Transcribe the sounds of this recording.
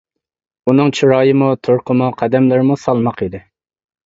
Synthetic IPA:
unɨŋt͡ʃʰuɾɑːjɨmut̪ʰoɾqʰəmuqʰæd̪ɛmlɪɾmusɑlˠmɑqid̪ɪ

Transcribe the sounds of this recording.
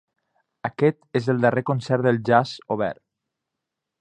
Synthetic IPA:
əkɛt̪ezəlˠd̪ərekonsɛɾðəlˠʒazoβɛ̰ɾ

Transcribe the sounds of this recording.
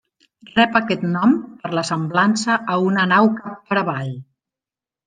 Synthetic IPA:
rɛpəkɛt̪nɔmpəɾləsəmblansəʔːunənawkapːəɾəβaʎ

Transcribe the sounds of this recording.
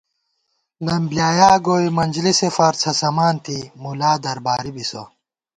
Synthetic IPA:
lɐmbljaːjaːɡoːimɐnʲd͡ʑlisefɐɾt͡sʰɐsɐmaːnt̪imulaːd̪ɐɾbaːɾibiso̰

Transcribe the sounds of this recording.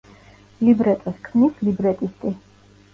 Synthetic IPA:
libɾɛt̪ʼɛskʰmnislibɾɛt̪ʼist̪ʼi

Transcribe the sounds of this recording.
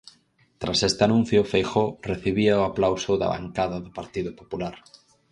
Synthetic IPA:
t̪ɾasest̪ɪanũn̟θjʊfejxoreθiβiaʊaplawsʊða̰βa̰ŋkaðɐðʊpaɾt̪iðʊpopulaɾ

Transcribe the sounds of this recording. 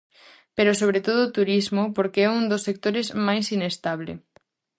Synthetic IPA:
peɾosoβ̞ɾet̪oð̞ʊːt̪uɾizmʊpoɾkeɛund̪osːek̚t̪oɾezmajsinest̪aβ̞lḛ

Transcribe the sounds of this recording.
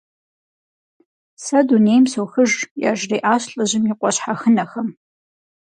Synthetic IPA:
sɐduneːjmsowxɨʒja̰ːʒreːʔaːɕɬʼɐʑɪmɪqʷʼɔɕħaxənɐxɐm

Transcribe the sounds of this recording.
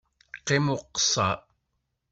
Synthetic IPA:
qe̞mo̞qsa̰ː

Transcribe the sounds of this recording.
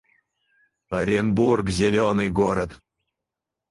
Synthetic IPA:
aɾʲenburkzʲelʲonɨjɡoɾət̪

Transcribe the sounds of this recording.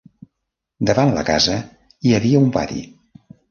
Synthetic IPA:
d̪əβanlə̰kazə | iəβiəumpa̰t̪ḭ

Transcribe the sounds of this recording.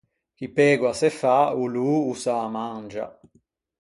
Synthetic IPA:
k̟ipɛːɡwasɛfauluːusamand͡ʒa̰

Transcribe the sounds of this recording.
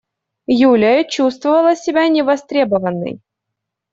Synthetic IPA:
julʲɪət͡ɕust̪vəvəlˠəsʲɪbʲanʲɪvɐst̪ɾʲebəvənːɨ̰j

